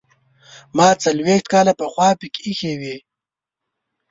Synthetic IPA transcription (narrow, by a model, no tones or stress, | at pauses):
mɑːt͡salwext̪̚kɑːlapəxwɑːpikixewi